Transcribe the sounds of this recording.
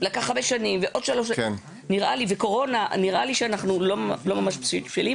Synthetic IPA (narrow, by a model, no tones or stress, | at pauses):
lakaχabeʃanimveʔod̪ʃaloʃken | niʁʔaliveko̞ʁo̞naniʁaliʃeanaχnulolomamaʃpʃipʃilim